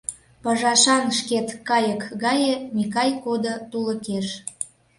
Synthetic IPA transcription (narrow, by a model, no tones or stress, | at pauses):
pəɑʒɑʃɑnʃket̪kɑjəkɣɑjemikɑjkod̪ot̪uləkeʃ